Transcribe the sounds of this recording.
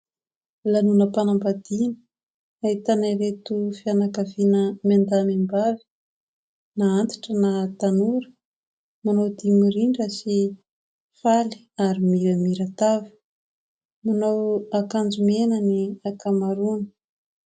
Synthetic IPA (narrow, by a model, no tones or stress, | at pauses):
lanunəpanambad̪inə̥ | aɦit̪anajɾet̪ufianakavinəmand̪amambavi̥ | naant̪i̥ʈ͡ʂənat̪anuɾə̥ | manowd̪imiɾiɳɖ͡ʐəsi | fali̥ | aɾimiɾamiɾat̪avi̥ | manawakand͡ʒumenaniakamaɾunə̥